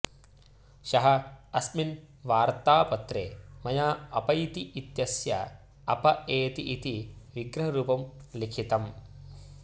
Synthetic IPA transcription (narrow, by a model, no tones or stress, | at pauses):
ʃɐɦɐɐsmin | ʋaːɾt̪aːpɐt̪ɾeːmɐjaːɐpɐit̪iit̪jɐsjɐ̰ | ɐpɐeːt̪iʔːt̪iʋiɡɾɐɦɐɾuːpɐmlikʰit̪ɐm